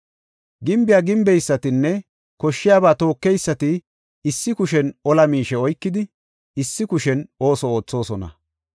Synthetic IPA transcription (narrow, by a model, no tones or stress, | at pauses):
ɡɪmbɪjaːɡɪmbɛjsːɐt̪ɪnːɛ | kɔʃːɪjaːbaːt̪o̞ːkːɛjsːɐt̪ɪ | ɪsːɪkʊʃɛnɔlɐmiːʃɛɔjkːɪd̪ɪ | ɪsːɪkʊʃɛno̞ːsɔoːt͡sːo̞ːsɔnɐ̰